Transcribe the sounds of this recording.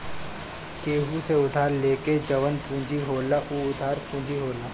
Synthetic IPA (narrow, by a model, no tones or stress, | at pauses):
keːɦuseʊd̪ʱaːɾleːked͡ʒɐʋənpũːd͡ʒiɦoːlaʔuːʊt̪ʰaːɾpũːd͡ʒiɦoːlaː